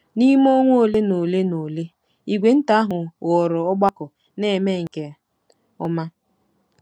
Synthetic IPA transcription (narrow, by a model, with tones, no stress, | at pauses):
ni˦m˦o˦ŋʷo˦˨le˦no˨le˦no˨le˦ | i˨ɡʷe˨n̩˦ta˨a˦ɦʊ˨ɣɔ˨ɾɔ˨ɔ˦ɡ͡ba˦kʊ˨ | ne˦˨me˦˨ŋ̩˨ke˨ | ʊ˦ma˦